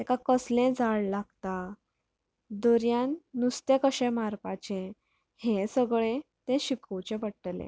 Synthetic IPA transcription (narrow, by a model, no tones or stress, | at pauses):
t̪ɛkakəslẽd͡zʱaɭlaɡt̪a | d̪ɔɾjãnnust̪ekəɕɛ̃maɾpat͡ɕẽ | hẽsəɡɭẽt̪ɛ̃ɕikʰəwt͡ɕepəɽʈlḛ̃